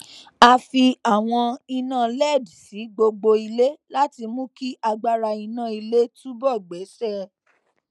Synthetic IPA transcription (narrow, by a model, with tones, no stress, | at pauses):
a˧fi˧a˨w̃ɔ̃˧i˧nã˦˨lɛ˦˨dsi˨˦ɡ͡bo˧ɡ͡bo˧i˧le˦la˦ti˧mũ˦ki˦ʔa˧ɡ͡ba˧ɾa˧i˧nã˦˨i˧le˦tũ˦bɔ˦˨ɡ͡be˨˦sɛ˦˨